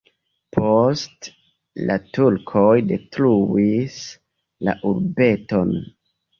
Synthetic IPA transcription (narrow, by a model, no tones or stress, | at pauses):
pʰost | la̰tuɾkʰojdetɾuis | la̰ʔuɾbe̞to̞n